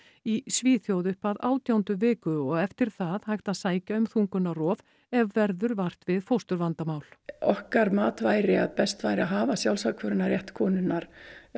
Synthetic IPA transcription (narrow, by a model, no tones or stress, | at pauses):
isviːθjowðʏhpaðaːwt̪jawnt̪ʏvɪːkʏɔɣɛft̪ɪɾ̥θaðhajht̪aðsaːjcaʏmθuŋkʏnːarɔːv | ɛvːɛɾðʏɾvar̥t̪vɪðfowst̪ʏɾvant̪amaːwl̥ɔhkaɾmaːt̪vaːjɾɪaðpɛst̪vajɾɪaɦaːvasjawlsakʰvœɾʏnaɾjɛht̪kʰɔːnʏnːaɾ̥